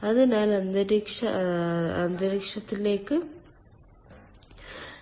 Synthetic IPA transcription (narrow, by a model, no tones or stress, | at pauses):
ɐðɐnaːlɐnd̪ɐɾikʂɐɐnd̪ɐɾikʂɐt̪ːile̞ːkːɨ